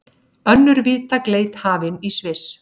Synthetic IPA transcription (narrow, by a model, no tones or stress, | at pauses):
œnːʏɾviːt̪akleːjt̪haːvɪnisvɪs